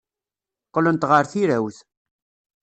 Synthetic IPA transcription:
qːələnt̪ʁəɾθiɾæwθ

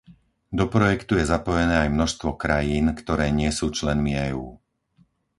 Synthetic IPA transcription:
d̪ɔpɾɔjɛkt̪ujɛzapɔjɛnɛːajmnɔʃst̪ʋɔkɾajiːnkt̪ɔɾɛːɲɪɛsuːt͡ʃlɛnmiɛːuː

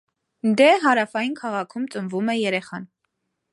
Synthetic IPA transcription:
d̪ɛɦɑɾɑfɑjinkʰɑʁɑkʰumt͡sʼəmvumɛjɛɾɛχɑn

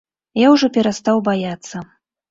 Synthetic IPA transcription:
jawʐɔpʲɛɾast̪awbajat̪sːɐ

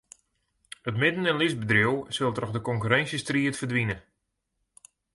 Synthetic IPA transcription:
ətmɪdənənlisbədrowsølˠtrɔxdəkɔŋkyɾɛnsjəstriətfərdʋinə

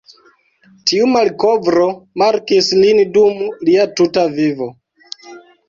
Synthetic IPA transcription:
tiumalko̞vɾo̞maɾkislindumliatutavivo

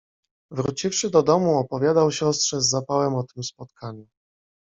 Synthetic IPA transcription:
vɾut͡ɕifʂɘd̪ɔd̪ɔmuɔpɔvʲjad̪awɕɔst̪ʂɛzːapawɛmɔt̪ɘmspɔt̪kʰaɲu

